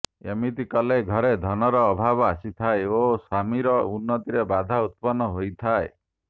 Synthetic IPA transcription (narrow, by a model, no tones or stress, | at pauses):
ḛmit̪ikɔleɡʱɔɾed̪ʱɔnɔɾɔːbʱabɔasit̪ʰaeosamiɾɔunːɔt̪iɾebad̪ʱaut̪̚pɔnːɔɦojt̪ʰae